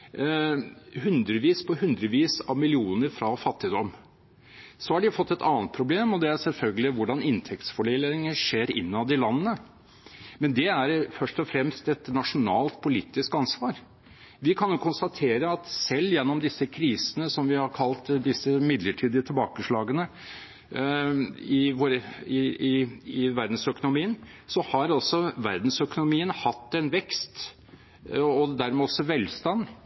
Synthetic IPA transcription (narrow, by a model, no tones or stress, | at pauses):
hʉnd̪ɾəʋiːspʰɔɦʉnd̪ɾəʋiːsɑʋmɪlɪuːnəɾfɾɑfɑt̪ːɪd̪ɔm | sɔhɑɖɪfɔt̪ːɛt̪ɑ̰ːnt̪̚pʰɾʊbleːmɔd̪ɛæɾsɛlfœlɡəlɪʋʊɖɑnɪnt̪ʰɛk̚t̪sfɔɭɪlɪŋəʂeːɾɪ̰nːɑd̪ɪlɑnːənə | mɛnd̪ɛæɾfœʂʈɔfɾɛmst̪ɛt̪nɑʂʊnɑːlt̪̚pʰʊliːt̪ːɪskɑnsʋɑːɾ | ʋɪkʰɑnjʊkʰʊnst̪ɑt̪ʰeːɾəɑt̪sɛlːjɛnːɔmd̪ɪsːəkʰɾiːsənəsɔmʋɪhɑɾkʰɑlt̪d̪ɪsːəmɪd̪ləʈʰiːd̪ɪət̪ʰɪlbɑːkəʂɭɑːɡənə | ɪʋoɾəɪɪɪʋæɾd̪n̩sœkʊnʊmiːənsɔhɑɾɑlsɔʋæɾd̪n̩sœkʊnʊmiːənhɑt̪ːɛnʋɛkst̪ | ɔd̪æɾmɛɔsːɔʋɛlst̪ɑn